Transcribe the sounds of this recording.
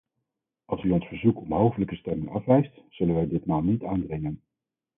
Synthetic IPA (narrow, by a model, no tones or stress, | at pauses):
ʔɑlˠsyɔnsfəɹzukɔmɦowfələkəstɛmɪŋɑfʋɛjstz̥ɵlənʋɛjdɪtmaːlˠnitaːndrɪŋən